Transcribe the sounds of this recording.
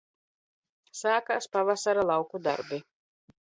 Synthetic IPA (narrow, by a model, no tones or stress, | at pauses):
saːkaspavasaɾalˠawkud̪a̰ɾbi